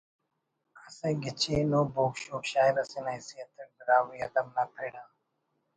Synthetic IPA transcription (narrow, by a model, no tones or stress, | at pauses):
əsẽːɡɪt͡ʃʰeːnoːboːkʃoːkʃaːɪɾəsẽːnaːisiːət̪ʰəʈ̚ɖəɾaːʋiːəd̪əmnaːkɾeːnãː